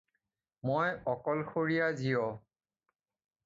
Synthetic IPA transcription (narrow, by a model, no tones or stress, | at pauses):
mojɔkɔlxoɹijazijɔ